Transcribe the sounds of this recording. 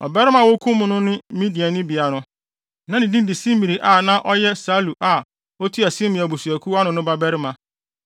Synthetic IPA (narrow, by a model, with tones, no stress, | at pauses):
ɔ̰˨bɛ˦ɾɪ˦mã˨wo˦kʰũ˦mʊ̃˨nʊ̃˦nʊ̃˦mĩ˦di˨a˨nɪ̃˦bi˨a˨nʊ̃˦ | nã˨nɪ̃˨dĩ˦n˦di˨sĩ˦m˦mi˨ɾi˨ʔa˦˨nã˦ʔɔ˦jɛ˦sa˦lu˨ʔa˨ | o˦tʰi˦a˨sɪ̃˦mɪ̃˨a˨bu˨su˨æ˨kʰu˦a˦nʊ̃˨˦nʊ̃˦ba˦bɛ˦ɾɪ˦mã˨